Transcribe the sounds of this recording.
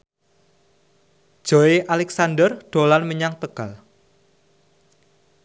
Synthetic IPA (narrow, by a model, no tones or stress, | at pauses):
d̥ʒ̥o̤eʔalɛksandərɖ̪̥o̤lanməɲaŋt̪əɡ̥al